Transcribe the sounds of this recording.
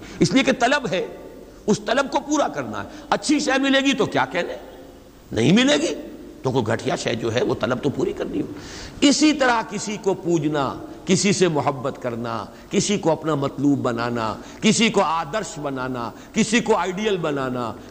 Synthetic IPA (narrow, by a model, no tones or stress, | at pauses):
ɪslieket̪ɐləbɦɛ | ʊst̪ɐləb̚kopuːɾakɐɾna̰ɦɛɐtːʃʰiʃɛːmɪleːɡit̪okjaːkɛɦne | nɐ̰ɦĩmɪleːɡiːt̪okoɡʱɐʈʰijaʃɛ̰ːd͡ʒo̰ːɦɛʋot̪ɐləb̚t̪opuːɾikɐɾniɦoɪsit̪ɐɾaɦkɪsikopuːd͡ʒnakɪsisemʊɦəbːət̪kɐɾna̰ | kɪsikoɐpnamɐt̪luːbːɐnaːna̰ | kɪsikoaːd̪əɾʃbɐnaːna̰ | kɪsikoaːɪɖijəlbɐnaːna